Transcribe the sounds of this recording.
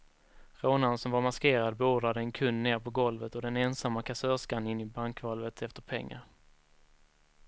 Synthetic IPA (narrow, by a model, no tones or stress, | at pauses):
ɾoːnansɔmvaɾmaskeːɾad̪̚bɛoːɖɾad̪əɛnkʰɵnːneːɾpʰɔɡɔlvət̪ɔd̪ɛnɛnsamːakʰasœːʂkanːɪnːɪbaŋkvalvət̪ʰɛft̪əɾpʰɛ̰ŋːa̰ɾ